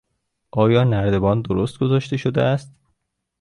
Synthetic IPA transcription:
ʔɒːjɒːnæɾd̪e̞bɒːnd̪oɾost̪̚ɡozɒːʃt̪e̞ʃod̪eʔæst̪

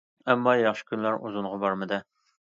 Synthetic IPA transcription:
ɛmːɑːjɑχʃɪ̥kʲʰynlæɾuzuɴʁɑbɑɾmɨd̪ɨ

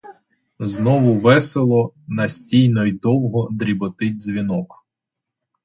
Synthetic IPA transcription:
znɔʋʊʋɛselˠɔnɐsʲtʲijnɔjd̪ɔwɦɔd̪ɾʲibɔt̪ɪtʲzʲʋʲinɔk

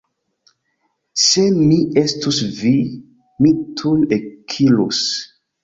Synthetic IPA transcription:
semie̞stusvi | mitʰujekʰilṵs

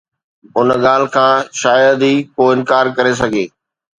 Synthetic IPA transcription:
ʊnɠaːl̤ɪ̆kʰãːʃaːjəd̪iːkoːɪ̃nkaːɾkɐɾes̬ɐɡʱeː

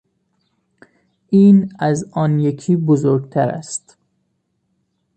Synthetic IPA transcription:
ʔiːnæzɒːnjekʰiːbozoɾɡt̪ʰæɾæ̰st̪

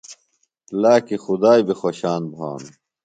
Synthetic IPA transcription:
laːkixud̪aːjbixwoɕaːnbʱa̰ːn

